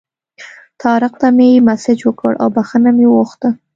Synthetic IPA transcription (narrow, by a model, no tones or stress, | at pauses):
t̪ʰɑɾɪqt̪amejmasɪd͡ʒwəkə̰ɽʔa̰wbaxənamewoxt̪ə